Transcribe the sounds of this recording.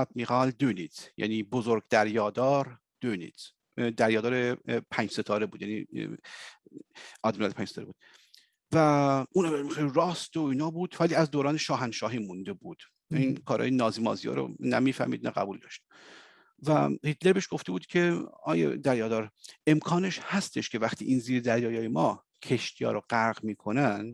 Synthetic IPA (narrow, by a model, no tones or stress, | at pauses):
ɒd̪̥̚miɣɒːld̪øniz̥jæ̰niːbozoɾɡ̚d̪æɾjɒːd̪ɒːɾ | d̪̥ønḭz̥ | d̪æɾjɒːd̪ɒːɾepʰæɲd͡ʒse̞t̪ʰɒːɾebuːd̪jænḭ | ɒːd̪miɣɑleæːɲd͡ʒset̪ʰɔːɾebuːd̪̥ | væuːnæmeieɾɒːst̪oiːnɒːbuːd̪væliːæzd̪oːɾɒːneʃɒːɦænʃɒːɦiːmund̪e̞buːd̪̥ | inkʰɒːɾhɒ̰ːjenɒːziːmɒ̰ːzijɒ̰ːɾo̰næ̰miːfæ̰hmḭːd̪næ̰ɣæ̰buːld̪ɒʃt̪e | væ̰hit̪leɾbe̞ʃɡ̥o̞ft̪e̞buːd̪kʲʰe̞ɒːjḛd̪æɾjɒːd̪ɒːɾe̞mkʰɒːne̞ʃhæst̪e̞ʃkʲʰevæxt̪ʰiːʔiːnziːɾd̪æɾjɒːjɒːjemɒː | cʰe̞ʃt̪ʰijɒ̰ːɾoɢæɾɣmiːkʰo̞næn